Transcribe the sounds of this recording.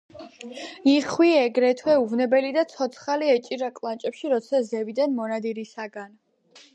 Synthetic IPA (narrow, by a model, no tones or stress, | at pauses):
iχwiɛɡɾɛt̪ʰwɛuvnɛbɛlid̪at̪sʰɔt̪sʰχaliɛt͡ʃʼiɾakʼlˠant͡ʃʼɛpʃiɾɔt̪sʰazɛvid̪anmɔnad̪iɾisaɡan